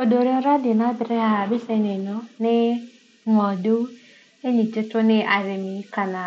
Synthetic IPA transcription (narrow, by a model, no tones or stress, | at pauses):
odoɾeɔɾadɪnabɪɾeɦabɪsenenɔnɪ | ŋɔdo | eɲit͡ʃɪtʊnɪʔaɾɪmiikana